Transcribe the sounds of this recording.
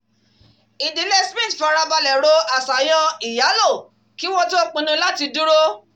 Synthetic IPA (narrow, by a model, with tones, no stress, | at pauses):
i˨di˨˦le˦˨smĩ˦˨tfa˧ɾa˧ba˧lɛ˨ɾo˧a˨sa˨j̃ɔ̃˧i˨ja˨˦lo˦˨ | ki˦w̃ɔ̃˦to˦k͡pĩ˧nũ˧la˦ti˧du˦ɾo˦